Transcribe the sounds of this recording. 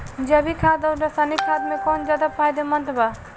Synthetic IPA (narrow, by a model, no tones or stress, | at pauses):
d͡ʒəbikʰad̪ɔdasanikʰad̪̚mekɔnd͡ʒad̪apajd̪emənt̪ba